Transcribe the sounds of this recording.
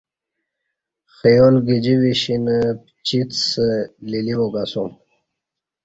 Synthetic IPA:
xijolɡid͡ʑiwiɕinp | t͡ɕit̪səliliwoɡasum

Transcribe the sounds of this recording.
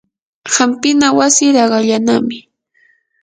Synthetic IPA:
hampɪnawasɪɾɑɢɑʎanamɪ

